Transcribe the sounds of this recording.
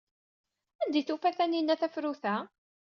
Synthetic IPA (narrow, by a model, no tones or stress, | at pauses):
ænd̪iθufæθæninːæθæfɾuθæ